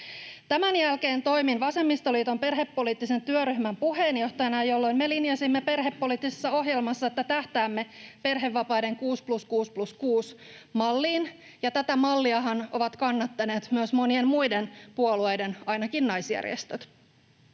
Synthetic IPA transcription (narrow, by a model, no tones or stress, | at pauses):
t̪æmænjælke̞ːnt̪o̞jminʋɑse̞mːist̪oliːt̪o̞mpe̞rɦe̞pːo̞liːt̪ːise̞nt̪yøryhmæmpuɦeːnjo̞ht̪ɑjɑnɑjo̞lːo̞jnmelinjɑsimːe̞pe̞rɦe̞pːo̞liːt̪ːisesːɑo̞ɦje̞lmɑsːɑet̪ːæt̪æht̪æːmːe̞pe̞rɦe̞ʋːɑpɑjde̞ŋkuːspluskuːspluskuːs | mɑlːiːn | jɑt̪æt̪æmɑlːiɑɦɑno̞ʋɑt̪kɑnːɑt̪ːɑne̞ːt̪myøsmo̞nie̞nmujdenpuolue̞jde̞nɑjnɑkinːɑjsjæ̰rj̰ḛst̪øt̪